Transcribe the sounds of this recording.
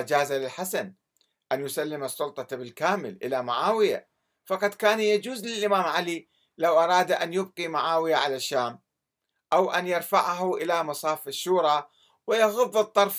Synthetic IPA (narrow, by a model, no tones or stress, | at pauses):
d͡ʒaːzalɪlħasan | ʔanjʊsalːɪmɑsˤːʊlt̪ˤɑbɪlkaːmɪlʔɪlamaʕaːwɪja̰ | fɑqɑd̪kaːnjad͡ʒuːzlɪlʔɪmaːmʕali | lawʔɑɾˤɑːd̪ʔanjʊb̚qimaʕaːwɪjaʕalaʃːaːm | ʔawʔanjɪɾfa̰ʕaɦuʔɪlamɑsˤɑːfaʃːuːɾˤɑ | wɪjɑɣʊðˤːɨt̪ˤːɑɾˤf